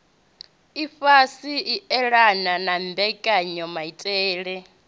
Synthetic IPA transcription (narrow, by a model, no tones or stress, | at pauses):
ifasiiɛɺananambɛkʼaɲɔmaitʼɛːɺɛ